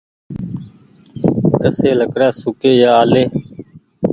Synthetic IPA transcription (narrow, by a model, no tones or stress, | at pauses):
k̪əseːləkɽaːsʊkeːjaːaːleː